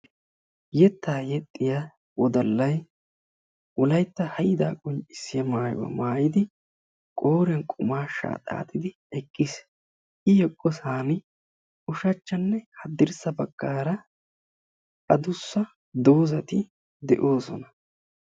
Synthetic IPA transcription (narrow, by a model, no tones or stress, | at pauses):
jɛt̪ːaːjɛt̪ʼːɪja | wɔd̪ɐlːɐj | ʔɔlɐjt̪ːɐhɐjɪd̪aːkʼɔnt͡ʃʼɪsːɪjɐmaːj̰wɐ̰maːjɪd̪ɪ | kʼo̞ːɾɛnkʼʊmaːʃa̰ːt̪ʼa̰ːt̪ʰɪd̪ɪ | ɛkʼːɪs | ɪjɛkʼːɔsaːnɪ | ʔʊʃɐt͡ʃːɐnːɛhɐd̪ːɪɾsɐbɐɡːaːɾɐ | ɐd̪ʊsːɐ | d̪oːzɐt̪ɪ | d̪ɛ̰ʔo̞ːsɔnɐ̥